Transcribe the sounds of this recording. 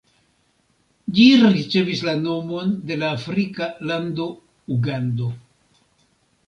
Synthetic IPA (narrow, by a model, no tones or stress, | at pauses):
d͡ʒiɾit͡ʃe̞vislano̞mo̞nde̞laːfɾikalando̞ | uɡando̞